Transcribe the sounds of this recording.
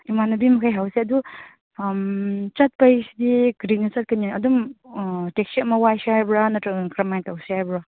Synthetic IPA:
imanɐbimɐkʰajɦawseɐdu | mt͡ʃɐt̚pɐjsidiɡɾinːɐt͡ʃɐt̚kɐninɐdum | teksiɐmɐwajsiajbɾanɐtɐkɾɐmajntawsiajbɾa

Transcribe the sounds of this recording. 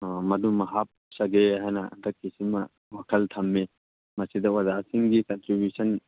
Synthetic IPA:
mɐd̪umɐɦap̚sɐɡeɐɦɐnɐɐ̰d̪ɐkːisimɐ | ʋɐkʰɐlt̪ʰɐmːe | mɐsid̪ɐwɐzaːsiŋɡikɐnʈɾibjusɐn

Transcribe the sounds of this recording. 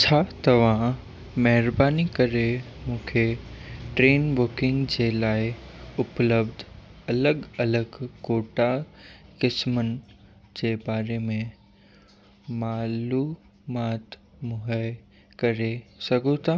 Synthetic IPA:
t͡ɕʰaːt̪ɐʋ̤ã | mɐɦɪɾbaːnikɐɾe | mũːkʰeʈɾeːnbʊkɪ̃ŋɡd͡ʑelaːɪʊpləbd̪ʱɐləɡɐləɡkoːʈakɪsmən | d͡ʑeːbaːɾemẽ | maːluː | maːt̪ | mʊɦəɪ | kɐɾesɐɡʱõt̪ʰaː

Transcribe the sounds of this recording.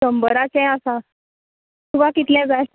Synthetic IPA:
səmbəɾat͡sɛ̃asã | t̪uʋakit̪lɛ̃d͡zaj

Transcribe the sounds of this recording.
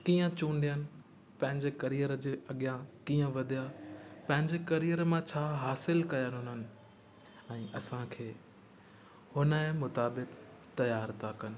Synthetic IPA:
kiːə̃t͡ɕũːnɖ̪ijənɪ̆ | pɐ̃ɦɪ̃ɲd͡ʑekɐɾijəɾəd͡ʑeːʔɐɠijãkiːə̃ʋɐd̪ʱijapɐ̃ɦɪ̃ɲd͡ʑekɐɾijəɾmãt͡ɕʰaːɦaːsɪlkɐjənɦʊnənɪ̆ | ɛ̃ːʔɐsãkʰeː | hʊnəẽmʊt̪aːbɪk | t̪ɐjaːɾt̪ʰakɐnɪ̆

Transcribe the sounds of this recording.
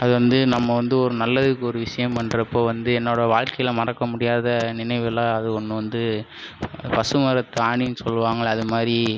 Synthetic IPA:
ɐðɯʋɐnd̪ɯnɐmːɐʋɐnd̪ɯɔɾɯnɐlːɐðɯkːɯɔɾɯʋɪʂɐjɐ̃mpɐɳɖɾɐpːoːʋɐnd̪ɯɛnːoːɽɐʋaːɻkɐjɪlɐmɐɾɐkːɐmʊɽɪjaːðɐnɪnɐɪʋɯlãːɐðɯkɔɳːɯʋɐnd̪ɯ | pɐsɯmɐɾɐt̪ːɯaːɳinːɯsɔlːɯʋaːŋɡɐɭɐðɯmaːdɾi

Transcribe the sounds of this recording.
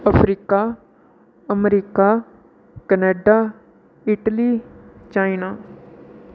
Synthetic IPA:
əpʰɾiːkaː | əmɾiːkaː | kəneːɖaː | ɪʈəliːt͡ʃaːinaː

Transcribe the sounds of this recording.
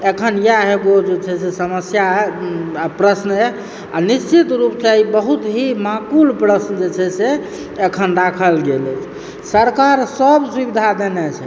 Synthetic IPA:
ekʰənjaɦeɡod͡ʒet͡ʃʰɛsesəməsjaɛpɾəsnɦɛ | a̰nist͡ʃit̪ɾupsaibəɦut̪ɦimakulpɾəsnəd͡ʒet͡ʃʰɛse | ekʰənɾakʰəlɡelɛt͡ʃʰ | səɾkaɾsəbswibid̪ʱad̪enɛt͡ʃʰɛ

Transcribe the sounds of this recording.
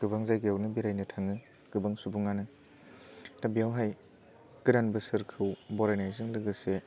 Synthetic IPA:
ɡ̥ɯbaŋzajɡijawnɯbiɾajnɯtʰaŋɯ | ɡ̥ɯbaŋsubuŋanɯ | tabijawɦaj | kɯdanbɯsɯɾkʰɯwbɔɾajnajzɯŋlɯɡɯse

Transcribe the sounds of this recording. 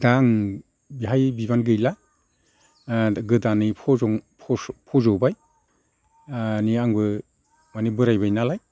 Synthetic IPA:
daŋ | biɦajbibanɡɯjla | ɡɯdanɯpʰɔ | pʰɔzɔwbaj | niaŋbɯ | manibɯɾajbajnalaj

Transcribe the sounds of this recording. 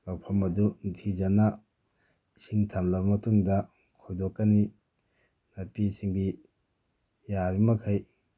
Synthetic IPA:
lawpʰɐmɐdutʰizɐnɐ | siŋtʰɐmlɐbɐmɐtuŋdɐ | kʰojdokːɐni | nɐpisiŋbi | jaɾimɐkʰaj

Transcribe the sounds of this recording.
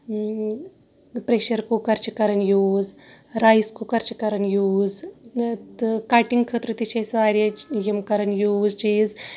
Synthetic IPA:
pɾeːʃɐɾkukɐɾt͡ʃɐkɐɾɐnjuːz | ɾajskukɐɾt͡ʃɐkɐɾɐnjuːz | kaːʈiŋɡkʰət̪ɾɨt̪it͡ʃʰɐsaːɾʲjɐjɐmkɐɾɐnjuːzt͡ʃiːz

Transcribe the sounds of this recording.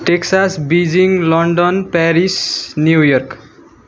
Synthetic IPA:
ʈeksasbid͡ziŋlʌɳɖʌnpaɾisnjujʌrk

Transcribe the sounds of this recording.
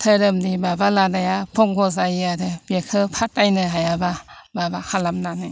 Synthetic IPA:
tʰəɾɯmnibabalanajapʰɔŋɡʰɔzajiadɯbekʰɯpʰatajnɯɦajabababakʰalamnanaj

